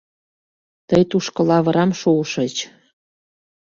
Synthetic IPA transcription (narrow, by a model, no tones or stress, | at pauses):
t̪əjt̪uʃkɤ̆lɑβə̆ɾɑmʃoʃə̆t͡ɕ